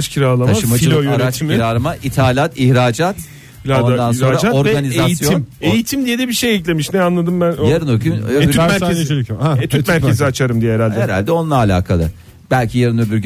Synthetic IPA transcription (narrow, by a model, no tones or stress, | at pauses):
t͡ʃcʰiɾalˠamʰaaʃɯmad͡ʒilʲojaɾat͡ʃiɾaɾmaʔit̪ʰaːlʲat̪içɾaːd͡ʒat̪ʲ | aond̪ano̞nɾad͡ʒaoɾɛɡanizesjiijoinmejit̪ʰimd̪ijed̪ɛbiʃejɛclʲemiʃnɛanlˠad̪ɯmbænojaɾɯnoɾɡynymæɾezʲat̪ʰyt̪mæɾʰeziat͡ʃʰaɾɯmd̪ijɛɛɾalʲd̪ɛeɾa̰lʲd̪ɛo̞nlˠaːlʲa̰ːkʰalˠɯ̰ | b̥ælʲcʰijaɾɯnoɾbyɾɟʲy